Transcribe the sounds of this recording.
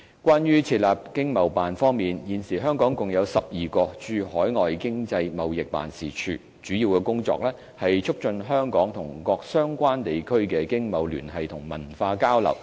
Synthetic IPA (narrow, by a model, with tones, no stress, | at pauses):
kʷaː˥njyː˥t͡sʰiː˧t̚laː˨˩p̚kɪ˥ŋmɐ˨˩wpaː˨nfɔː˥ŋmiː˨˩njiː˨nsiː˨˩ɦœː˥ŋkɔː˨˥ŋkʊ˨ŋjɐ˨˧wsɐ˨p̚jiː˨kɔː˧t͡ʃyː˧hɔː˨˥jŋɔː˨jkɪ˥ŋt͡sɐ˧jmɐ˨wjɪ˨k̚pa̰ː˨nsḭː˨˩t͡ʃʰyː˨˩ | t͡ʃyː˨˥jiː˧wkɛ˧kʊ˥ŋt͡sɔ̰˧k̚lɛː˥ | hɐ˨jt͡ʃʰʊ˥k̚t͡ʃɵ˧nɦœː˥ŋkɔː˨˥ŋt̪ʰʊ˨˩ŋkɔː˧k̚sœː˥ŋkʷaː˥nt̪e˨jkʰɵ˥ɥkɛː˧kɪ˥ŋmɐ˨wly̰ː˨˩nhɐ˨jt̪ʰʊ˨˩ŋmɐ̰˨˩nfaː˧kaː˥wlɐ̰˨˩w